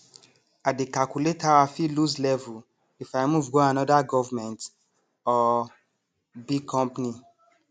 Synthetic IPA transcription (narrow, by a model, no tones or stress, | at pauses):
adekalkuletawafiluzlɛvu | ifamuvɡoanɔdaɡɔvmɛ̃nt | ɔ | bikʰɔ̃mpni